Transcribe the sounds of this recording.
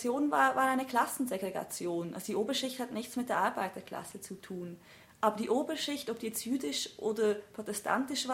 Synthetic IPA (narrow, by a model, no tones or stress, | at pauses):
joːnnvaːvaːʁaɪnəkl̥asn̩zeɡʁeɡa̰t͡sjoːnʔa̰lzodiːʔoːbɐʃɪçthatnɪçt͡smɪt̚d̥eːɐʔaɐbaɪt̚d̥ːɐkla̰sət͡sutʰuːn | ʔaːbɐdiːʔoːbɐʃɪçtɔp̚d̥iːjɛt͡stjyːdɪʃʔoːdɐpʁ̥otɛstʰa̰ntɪʃv̥aː